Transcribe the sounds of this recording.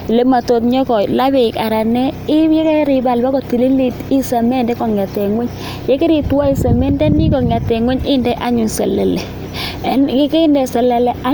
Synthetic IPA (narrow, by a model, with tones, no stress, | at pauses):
le˨˦ma˨to˨tɲɔ˦kɔ˨la˦βɪ˨ka˨ɾa˨nɛ˦ɪ˦jɛ˦kɛ˦ɾɪ˨ba˨lba˦kɔ˨ti˨le˦le˨ti˦sa˨mɛ˦˨ndɛ˦kɔ˨ŋ˨a˨tɛ˨ŋwɛ˦ɲ | jɛ˦kɪ˦ɾɪ˨twa˦i˨sa˨mɛ˦ndɛ˦nɪ˦kɔ˨ŋ˨a˨tɛ˨ŋwɛ˦ɲɪ˦˨ndɛ˦ʔa˦ɲʊ˨sɛ̰˨lɛ˨lɛ˨ | ɛ˦nkɪ˦ke˦ndɛ˨sɛ˨lɛ˨lɛ˨a˦